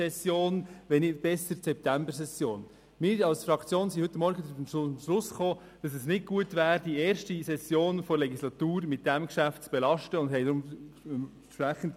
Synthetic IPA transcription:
ɛsjoːnʋɛnɪb̥ɛsːəɾsɛp̚tæmbəɾsɛsjoːn | mɪːɾɑlsfɾɑkt͡sjoːnsihʏt̪ːəmɔɾɡədɾʊfəmʃlʊsχoː | d̥ɑs̬ɛsnɪt̚ɡ̥uətʋæːɾdieːɾʃtisɛsjoːnfɔɾlɛɡislɑt̪uːɾmɪt̚d̥æmkʃæft̚t͡sb̥ɛlɑʃtəʊnd̥ɦɛɪdɾʊm | ʃpɾæχən̩t

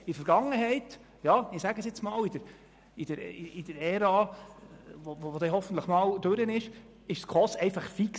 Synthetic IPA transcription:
idfəɾɡɑŋːəɦɛɪt̪ | jɑɪsæɡəsjɛt͡smɑːlid̥əɾ | id̥əɾiid̥əɾɛɾɑː | vovovod̪ɛɦɔfən̩tləχmɑːld̥̪øɾənɪʃ | ɪʃskʰɔsɛɪfɑχfik

